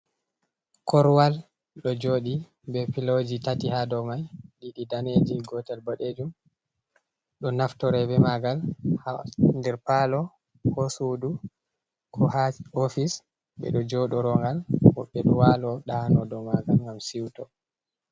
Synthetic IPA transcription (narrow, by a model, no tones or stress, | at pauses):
kɔɾwal | ɗɔd͡ʒoːɗi | bɛpilod͡ʒitatihadɔmajɗiɗidaned͡ʒiɡɔtalboɗed͡ʒum | ɗɔnaftɔɾɛbɛmaɡalhandɛɾpalɔ | hosudu | kʰɔhaofis | ɓɛ̰ɗɔd͡ʒɔɗɔɾɔŋɡalwɔɓːɛɗɔwalɔɗanɔdɔmaɡalŋɡamsiwtɔ